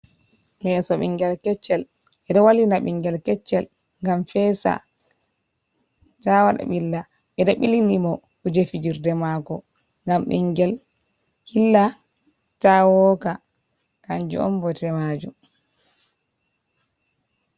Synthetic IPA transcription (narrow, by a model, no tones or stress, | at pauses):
mɛsɔɓḭŋɡɛlkɛt͡ʃːɛl | ɓɛɗɔwalinaɓiŋɡɛlkɛt͡ʃːɛl | ŋɡamfɛsa̰ | tawaɗa̰ɓilːa | ɓɛɗɔɓilinimɔ | ud͡ʒefid͡ʒiɾdɛmakɔ | ŋɡamɓḭŋɡɛl | hilːa | tawɔka | kaɲd͡ʒṵʔɔ̰mbɔtɛmad͡ʒum